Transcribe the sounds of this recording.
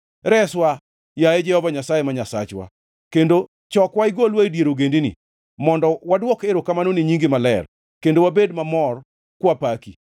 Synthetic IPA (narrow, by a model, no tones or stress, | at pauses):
ɾɛswa | jaed͡ʒɛhɔvaɲasajemaɲasa̰t͡ʃwa̰ | kendo | t͡ʃɔkwaɪɡolwaidjeɾoɡendinḭ | mɔndɔwadwɔkeɾokamanoniɲiŋɡɪmalɛr | kendowabedmamɔr | kwapaki